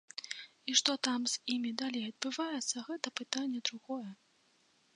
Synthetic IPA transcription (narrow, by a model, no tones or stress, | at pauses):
iʂt̪ɔt̪amz̥ʲimʲid̪alʲejɐd̪̚bɨvajɛt̪sːɐɣɛt̪ɐpɨt̪anʲːɛd̪ɾuɣɔjɛ